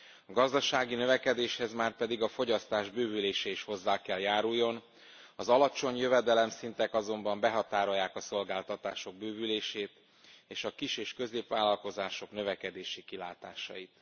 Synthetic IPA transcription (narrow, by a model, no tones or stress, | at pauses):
ɒɡɒzd̪ɒʃaːɡinøvɛkɛd̪eːʃhɛzmaːrpɛd̪iɡɒfo̞ɟɒst̪aːʒbøːvyleːʃɛiʃho̞zːaːkɛljaːɾujːo̞n | ɒzɒlɒt͡ʃo̞ɲjøvɛd̪ɛlɛmsint̪ɛkɒzo̞mbɒmbɛɦɒt̪aːɾo̞jːaːkɒso̞lɡaːlt̪ɒt̪aːʃo̞ɡ̚bøːvyleːʃeːt̪ | eːʃɒkiʃeːʃkø̞zeːpvʋaːlɒlko̞zaːʃo̞knø̞vɛkɛd̪eːʃikilaːt̪a̰ːʃɒ̰jit̪